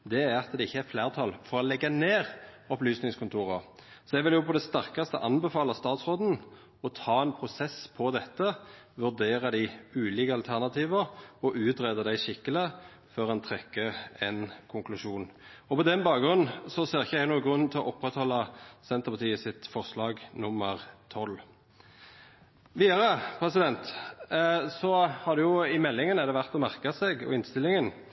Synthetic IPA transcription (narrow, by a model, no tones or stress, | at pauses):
d̪ɛæʁɑt̪d̪ɛɪçːəæɾflæːʁt̪ʰɑlfɔʁɔlɛɡːɑneːʁ | ɔplyːsnɪŋskʰʊnt̪ʰuːʁɑsɔjɛɡʋɪljʊpʰɔd̪ɛst̪æʁkɑst̪ə̰ʔɑnbɛfɑːlɑst̪ɑːt̪sʁoːd̪n̩ | ɔt̪ʰɑːɛnpʰʁʊsɛspʰɔd̪ɛt̪ːə | ʋʉʁd̪eːʁɑd̪æɪʉːliːkəɑlt̪ʰæʁnɑt̪ʰiːʋəɔʔʉːt̪ʁeːd̪əd̪æɪʃɪkːələ | føːʁɛnt̪ʰʁɛkːəɛnkʰʊŋklʉʂuːnɔpɔd̪ɛnbɑːkɡʁʉnn̩sɔseːʁɪçːəæɪnuːɡʁʉnn̩t̪ʰɪlɔʔɔpːʁɛt̪hɔlːɑsɛnt̪əʁpɑt̪ʰiːəsɪt̪fɔʁslɑːɡnʊmːəʁt̪ʰɔl | ʋiːɑʁəpʰʁɛsɪd̪ɛnt̪ | sɔhɑd̪ɛjʊɪmɛlːɪŋənəd̪ɛʋæʁt̪ɔmæʁkɑsɛɡɔ̰ɪnst̪ɪlːɪŋən